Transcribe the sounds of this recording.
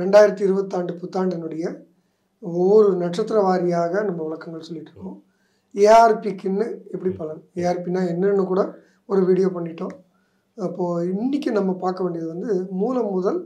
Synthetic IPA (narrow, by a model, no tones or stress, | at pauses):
ɾɛɳɖaːjɪɾɐt̪ːiɪɾɯbɐt̪ːaːɳɖɯpʊt̪ːaːɳɖɪnɯɽɐjɐ | ɔʋɔɾɯnɐʈt͡ʃːɐt̪ːɾɐʋaːɾɪjaːɣɐnɐmːɐʋɐɭɐkːɐŋɡɐɭsɔlːɪʈːrɾɯ̥kːõː | eːaːɾpikːɯnːɯɛpːɐɽipɐlɐɾeːaːɾpinːaːɛnːɐnːɯkuːɽɐ | ɔɾɯʋiːɽɪjoːpɐɳːɪʈːõː | ɐpːoːɪnːɪk̬ʲːɯnɐmːɐpaːɾkɐʋeːɳɖɪjɐðɯʋɐnd̪ɯmuːlɐmːʊðɐl